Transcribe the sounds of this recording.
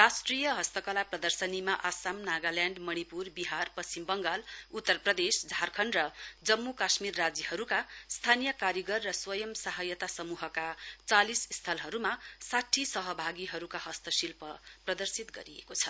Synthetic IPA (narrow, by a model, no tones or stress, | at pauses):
rasʈrijʌɦʌst̪ʌkʌlaprʌd̪ʌrsʌnimaʔasamnaɡaljaɳɖmʌñipurbiɦarpʌst͡simbʌŋɡalut̪ːʌrprʌd̪esd͡zʱarkʰʌnrʌd͡zʌmːukasmirːad͡zihʌɾukast̪ʰanijʌkaɾjiɡʌrːʌswʌjʌmsaɦʌjʌt̪asʌmuɦʌkat͡salisst̪ʰʌlɦʌɾumasaʈʰisʌɦʌbʱaɡiɦʌɾukaɦʌst̪ʌsilpʌprʌd̪ʌrsit̪ɡʌ̰ɾijḛkot͡sʰʌ